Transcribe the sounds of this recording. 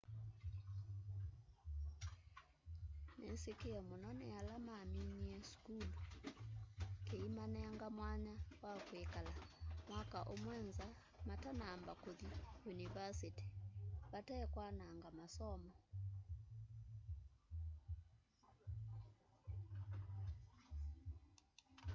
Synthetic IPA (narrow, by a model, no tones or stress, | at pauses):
nesekeɛmonɔnɛalamamiɲiɛskulo | keimanɛaŋɡamwaɲawakwekalamwakaʔomwɛnza | matanaːmbakoðijunivasiti̥βatɛkwanaːŋɡamasɔmɔ